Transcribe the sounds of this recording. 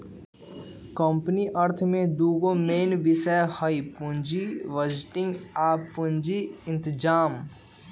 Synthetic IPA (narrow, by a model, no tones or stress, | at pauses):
kəmpniʔəɾt̪ʰmẽd̪uːɡomeːnbɪsɛhəipʊnd͡ʒiʋəd͡ʒʈɪ̃ŋɡaːpʊ̃nd͡ʒiɪ̃nt̪d͡ʒaːm